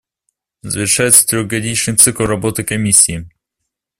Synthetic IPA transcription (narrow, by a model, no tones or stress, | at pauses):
zvʲɪrʂajɛt̪sə̥t̪ɾʲɔɡɐdʲit͡ɕnɨt̪sɨklˠɾɐbɔt̪ɨkɐmʲisʲii